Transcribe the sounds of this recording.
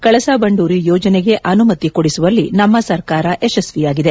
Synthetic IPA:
kɐɭɐsabɐɳɖuːɾijoːd͡ʒɐneɡe̞ʔɐnumɐt̪ikoɽisuʋɐlːinɐmːɐsɐɾkaːɾɐʔeʃɐsʋijaːɡid̪e

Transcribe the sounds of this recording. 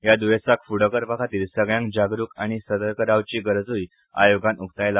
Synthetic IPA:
jad̪uʋesakfuɽəkəɾpakʰat̪iːlsəɡɭjãŋkd͡ʑaɡɾuːkaɽ̃isəd̪əɾkəɾaʋt͡ɕiːɡəɾd͡zuj | a̰joɡãnuk̚ʰt̪ajla

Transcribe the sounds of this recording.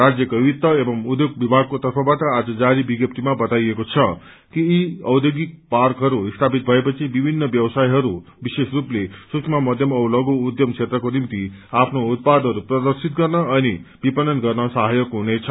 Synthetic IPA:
ɾad͡zjʌkʌwit̪ːʌebʌmud̪jok̚bibʱaɡ̚kot̪ʌrpʰʌ̃bat̪ʌad͡zʌd͡zaɾibiɡjʌp̚t̪imabʌt̪ajekot͡sʰʌ | kiːʌwd̪joɡik̚parkɦʌɾuist̪ʰapit̪̚bʱʌepʌt͡sʰibibʱinːʌbjʌwsajɦʌɾu | bisesruplesuksʰmamʌd̪ʱjʌmʌwlʌɡuːd̪jʌmt͡ʃʰet̪ɾʌkonimt̪iapʰnoːt̪̚pad̪ɦʌɾuprʌd̪ʌɾsit̪̚ɡʌrnʌːnib̥ipʌnʌnɡʌrnʌsʌɦajokɦunet͡sʰʌ

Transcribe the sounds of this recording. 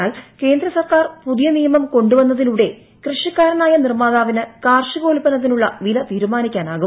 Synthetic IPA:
aːlke̞ːnd̪ɾɐsɐrkaːrpuðijɐnijɐmɐmko̞ɳɖuʋɐnːɐðiluɽe̞ | krɨʂɐkːaːɾɐnaːjɐnirmaːðaːʋinɨkaːrʂɨɣo̞ːlpːɐnɐt̪̬ːinuɭːɐʋilɐt̪iːɾumaːnikʲːaːnaːɣu

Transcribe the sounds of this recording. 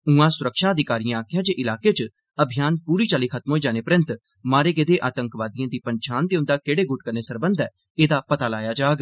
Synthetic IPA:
ʊ̃ãːsʊɾəkʃaːəd̪ɪkaːɾijãːaːkʰjaːd͡ʒeːʔɪlaːkeːt͡ʃ | əbʱɪjaːnpuːɾiːt͡ʃaːliːkʰət̪mɦoːiːd͡ʒaːneːpɾə̃nt̪ | maːɾeːɡed̪eːʔaːt̪ə̃ŋkʋaːd̪ɪjãːd̪iːpəɲt͡ʃʰaːnd̪eːʊ̃nd̪aːkeːɽeːɡʊʈkəɾneːsəɾbə̃nd̪ɛː | eːd̪aːpət̪aːlaːjaːd͡ʒaːɡ

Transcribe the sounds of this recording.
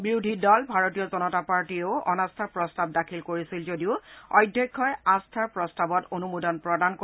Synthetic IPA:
bɹiʊdʱidɔlbʱaɹotijɔzɔnɔtapaɹtioʊʔɔ̰nastʰaɹpɹɔstab̚dakʰilkoɹisilzodiʊɔ̰jdʱjɔkʰːɔjastʰaɹpɹɔstabɔtonumudɔnpɹɔdanko

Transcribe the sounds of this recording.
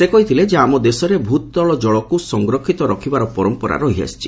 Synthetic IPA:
sekɔɦit̪ʰiled͡ʒeamɔd̪esɔɾebʱut̪ɔɔɭɔd͡ʒɔɭɔkusɔŋɡɾɔkʰit̪ɔɾɔkʰibaɾɔpɔɾɔmpɔɾa̰ɾɔɦia̰st͡ʃʰi̥

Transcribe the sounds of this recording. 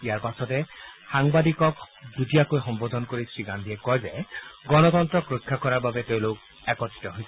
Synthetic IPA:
ijaɹpasɔtɛxaŋbadikɔkzutijakojxɔmbod̪ʱɔnkoɹisɹiɡandʱiɛkɔjzɛɡɔnɔt̪ɔntɹɔkɹokʰːakɔɹaɹbabɛteʊ̃lok̚ | ɛkɔti̥tɔɦojsɛ

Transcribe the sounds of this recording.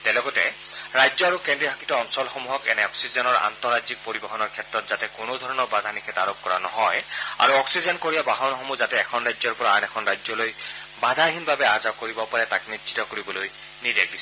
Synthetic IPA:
tɛlɔɡɔtɛ̰ | ɹajzɔaɹukɛndibʱakitɔɔnsɔlxɔmuɦɔkɛ̰nɛɔksizɔnɔɹa̰ntɔɹazik̚poɹibɔɦɔnɔɹkʰɛtɹɔtz̥atɛkonodʱɔɹɔnɔɹbad̪ʱanikʰɛtaɹop̚kɔɹa̰nɔ̰ɦɔja̰ɹuɔksizɔnkoɹiabaɦɔnxɔmuzatɛːkʰɔnɹajzɔɹpɔɹaːnɛkʰɔnɹajzɔloj | bad̪ʱaɦinbabɛazakoɹibɔpaɹɛtaknitsʰi̥tɔkoɹibɔloj | nidek̚dis

